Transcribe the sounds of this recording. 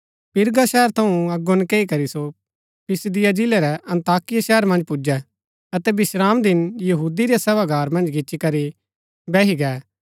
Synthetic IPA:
pɪɾɡaʃɛːəɾt̪ʰɐũɐɡonkeːikɐɾiso | pʰɪsd̪ɪjad͡ʒɪlɛɾɛʔɐ̃nt̪aːkɪjaʃɛːəɾmɐ̃nd͡ʒpʊd͡ʒɛ | ɐt̪ɛbɪʃɾaːmd̪ɪnjɐɦuːd̪iɾijasɛbaɡʱaːɾmɐ̃nd͡ʒɡɪt͡ʃikɐɾi | bɛːiɡɛː

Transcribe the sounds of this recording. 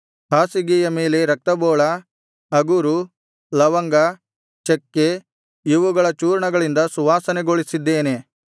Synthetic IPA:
paːsiɡiːjɐme̞ːle̞ɾɐk̚t̪ɐbɔːɭɐ | ɐɡuɾu | lɐʋɐŋɡɐ | t͡ʃekːe | iʋuɡɐɭɐt͡ʃuːɾɳɐɡɐɭind̪ɐsuʋaːsɐneɡoɭisid̪ːeːne̞

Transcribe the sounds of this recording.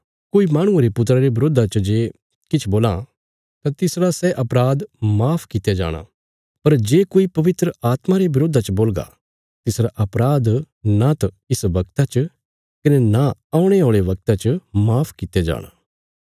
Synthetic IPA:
koːimaːɽ̃ʊ̃eɾepʊt̪ɾaɾeʋɪɾoːd̪ʱat͡ʃɐd͡ʒeː | kɪt͡ʃʰboːlã̰ | t̪ãt̪ɪsɾasɛʔɐpɾaːd̪maːpʰkɪt̪jed͡ʒa̰ːɽ̃a̰ | pɐɾd͡ʒeːkoːipɐʋɪt̪ɾəaːt̪maɾeʋɪɾoːd̪ʱat͡ʃboːlɡa̰ | t̪ɪsɾaʔɐpɾaːd̪ | nat̪ɐ | ɪsʋɐkt̪at͡ʃ | kɐnenaaːʊ̃ɽ̃eɦoːɭeʋɐk̚t̪at͡ʃəmaːpʰkɪt̪jed͡ʒa̰ːɽ̃a̰

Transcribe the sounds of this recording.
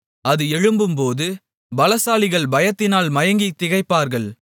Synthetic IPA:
ɐðɯɛɻɯmbɯmpoːðɯ | bɐlɐsaːlɪɣɐɭbɐjɐt̪ːɪnaːlmɐjɐŋɡit̪ːɪɣɐɪpːaːɾɣɐɭ

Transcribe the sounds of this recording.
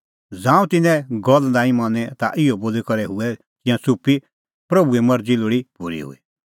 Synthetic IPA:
d͡zãːũt̪ɪnɛ̃ɡɔld̪ãːĩmãːnɛt̪a̰ʔɪoboːlikɐɾɛɦʊɛ | kijãsupi | pɾɐbuɛmɐɾd͡ziloɽibuɾḭɦṵi

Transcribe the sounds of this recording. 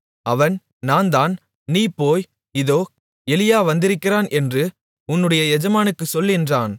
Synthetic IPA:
ɐʋɐn | naːnd̪aːn | niːpːoːj | ɪðoː | ɛlɪjaːʋɐnd̪ɪɾɯkːɪraːnʔɛndrɯ | ʊnːɯɽɐjɐɛd͡ʒɐmaːnɯkːɯsɔlːɪndraːn

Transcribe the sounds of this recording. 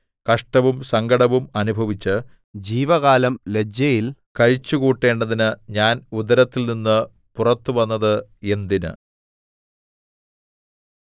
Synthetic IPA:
kɐʂʈɐʋumsɐŋɡɐɽɐʋumɐnubʱɐʋit͡ɕːɨ | d͡ʑiːʋɐɣaːlɐmle̞d͡ʑjɐjilkɐɻt͡ɕːukuːʈːe̞ːɳɖɐðinɨɲaːnud̪ɐɾɐt̪ːilninːɨ | purɐt̪ːɨʋɐnːɐðɨe̞nd̪inɨ̰

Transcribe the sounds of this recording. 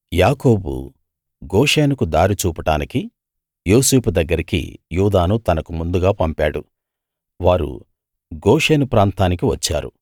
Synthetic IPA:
jaːkoːbṵ | ɡoːʂeːnukud̪aːɾit͡ʃuːpɐʈaːniki | joːseːpud̪ɐɡːɐɾikḭjuːd̪aːnut̪ɐnɐkumund̪uɡaːpɐmpaːɽu | ʋaːɾṵ | ɡoːʂeːnupɾaːnt̪aːnikiʋɐt͡ʃːa̰ːɾṵ

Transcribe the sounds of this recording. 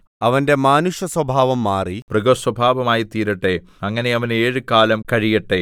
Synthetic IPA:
ɐʋɐnde̞maːnuʂjɐswɐbʱaːʋɐmːaːriprɐɡoswɐbʱaːʋɐmaːjit̪iːɾɐʈːe̞ | ɐŋːɐne̞ɐʋɐneːɻɨkaːlɐmkɐɻijɐʈːe

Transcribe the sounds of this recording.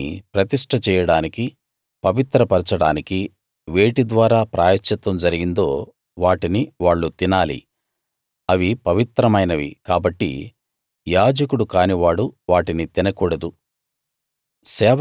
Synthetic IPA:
pɾɐt̪iʂʈʰɐt͡ʃɛːjɐɽaːniki | pɐʋit̪ɾɐpɐɾt͡ʃɐɽaːniki | ʋeːʈid̪ʋaːɾaːpɾʔa̰ːjɐt͡ʃːɐt̪ʋɐmd͡ʒɐɾiɡind̪o̞ː | ʋaːʈiniʋaːɭːut̪inaːlḭ | ɐʋipɐʋit̪ɾɐmɐjnɐʋḭkaːbɐʈːḭ | jaːd͡ʒɐkuɽukaːniʋaːɽuʋaːʈinit̪inɐkuːɽɐd̪u | sɛːʋ

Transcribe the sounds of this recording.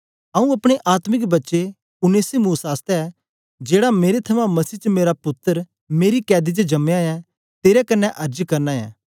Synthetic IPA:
ɐ̃ːũɐpɽ̃eʔaːt̪mɪk̬bɐtːʃe | ʊneːsimuːsaːst̪ɛ | d͡ʒeːɽameːɾet̪ʰɐʋãmɐsiːt͡ʃəmeːɾapʊt̪ːəɾ | meːɾikɛːd̪it͡ʃəd͡ʒɐmeãjɛ̃ | t̪eːɾɛkɐnːɛʔɐɾd͡ʒkɐɾnaɛ̰̃ː

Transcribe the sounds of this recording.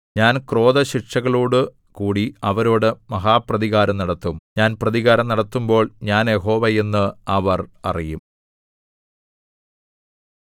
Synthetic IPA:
ɲaːnkro̞ːðɐɕirʂɐɣɐɭuːɽɨ | kuːɽiɐʋɐɾoːɽɨmɐɦaːprɐðiɣaːɾɐmnɐɽɐt̪ːumɲaːnprɐðiɣaːɾɐmnɐɽɐt̪ːumbo̞ːɭɲaːnje̞ɦo̞ːʋɐje̞nːɨɐʋɐrɐ̰rijum

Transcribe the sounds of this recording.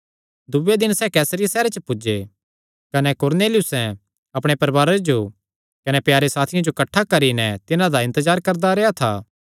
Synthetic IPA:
d̪ʊʋed̪ɪnsɛkɛːsɾɪjasɛːɾet͡ʃəpʊd͡ʒe | kɐnɛkoːɾneːlɪjʊsɛ̃ | ɐpɽ̃epɐɾʋaːɾed͡ʒo | kɐnɛpjaːɾesaːt̪ʰɪjãd͡ʒokɐʈʰːakɐɾinɛt̪ɪnãd̪aɪ̃nt̪əzaːɾkɐɾd̪aɾeːat̪ʰa̰ː

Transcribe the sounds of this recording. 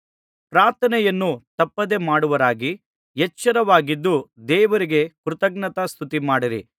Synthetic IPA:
pɾaːɾt̪ʰɐnɛjɐnːut̪ɐpːɐd̪e̞maːɽuʋɐɾaːɡi | jɛt͡ʃːɐɾɐʋaːɡid̪ːud̪ɛːʋɐɾiɡe̞kɾut̪ɐɡ̚nɐt̪ɐst̪ʰut̪imaːɽiɾḭ

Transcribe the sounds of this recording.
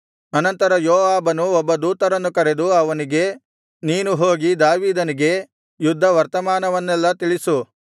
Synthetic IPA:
ɐnɐnt̪ɐɾɐjɔːʋaːbɐnuɔbːɐd̪uːt̪ɐɾɐnːukɐɾe̞d̪uɐʋɐniɡe̞ | niːnuɦoːɡid̪aːʋiːd̪ɐniɡe̞ | jud̪ʱːɐʋɐɾt̪ɐmaːnɐʋɐnːɛlːɐt̪iɭisu

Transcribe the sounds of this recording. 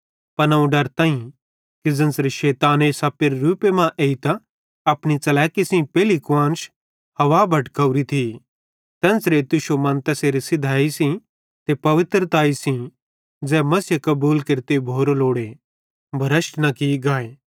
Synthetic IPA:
pɐnɐũɖɐɾt̪ãːĩ | kɪd͡zɐ̃nsɾeʃɛːt̪aːneːsaːpɪɾːuːpemãʔeːit̪a | ɐpɽ̃it͡sɐlɛːkisĩpɛːlikãːnʃ | hɐʋaːbʱɐʈkɐuɾit̪ʰi | t̪ɛ̃ːnsɾeːt̪ʊʃomɐ̃nt̪ɛseːɾisɪd̪ʱaːisĩ | t̪epɐʋɪt̪ɾət̪aːisĩ | d͡zɛːmɐsjəkɐbuːlkɪɾt̪ebʱoːɾoloːɽe | bʱɐɾɐʃʈnɐkiɡaːeː

